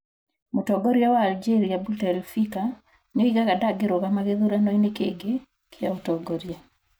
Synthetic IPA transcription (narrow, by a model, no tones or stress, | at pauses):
motɔɡɔɾjawaːld͡ʒeɾiabutɛlfika | noiɣaɣadaɡeɾoɣamaɣeðuɾanɔinekeɡe | kʰjaotɔɡɔɾja